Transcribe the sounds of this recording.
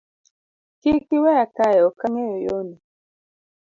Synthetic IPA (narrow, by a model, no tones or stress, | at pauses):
kikiwɛakajɛɔkaŋɛjojoni